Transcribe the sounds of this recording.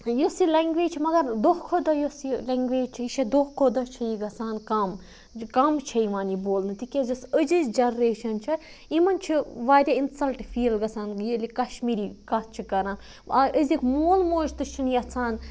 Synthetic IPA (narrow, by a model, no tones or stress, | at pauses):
josilɐŋɡʋeːd͡ʒt͡ʃʰimɐɡɐɾd̪ohkʰod̪ɐjosilɐːŋɡʋeːd͡ʒt͡ʃʰiiʃɐd̪ohkʰod̪ɐt͡ʃʰɐjiɡɐsaːnkɐm | kɐmt͡ʃʰɐiʋaːniboːlnɨt̪ikʲɐzɐsəd͡ʒɨd͡ʒɐnɾeːʃɐnt͡ʃʰɐ | imɐnt͡ʃʰiʋaːd̪ʲainsɐlʈfiːlɡɐsaːnjilikɐʃmiːɾikɐt̪̚t͡ʃʰikɐɾãːn | ɐʔəzikmoːlmoːd͡ʒt̪ɨt͡ʃʰiniɐt͡sʰaːn